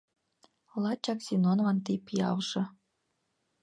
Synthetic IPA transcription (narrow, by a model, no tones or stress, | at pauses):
lˠɑt͡ɕɑksʲinonvɑnt̪ipʲijɑ̰lʒɤ̆